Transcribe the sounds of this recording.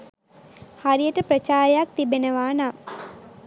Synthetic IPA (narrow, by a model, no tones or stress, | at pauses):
haɾijəʈəpɾət͡ʃaːɾejak̚t̪ibenəʋaːna